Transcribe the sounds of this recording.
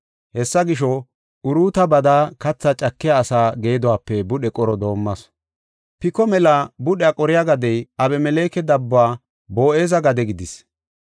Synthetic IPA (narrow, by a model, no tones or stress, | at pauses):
hɛsːɐɡɪʃ̬ɔ | ʊɾuːt̪ɐbɐd̪aːkɐt͡sːɐt͡ʃʼɐkːɪjaːsaːɡe̞ːd̪ɔwaːpːɛbʊɗɛkʼɔɾɔd̪o̞ːmːɐs | pɪkɔmɛlabʊɗɛɐkʼɔɾɪjaɡɐd̪ɛjɐbɛmɛleːkɛd̪ɐbːaː | bo̞ːʔe̞ːzɐɡɐd̪ɛɡɪd̪ɪs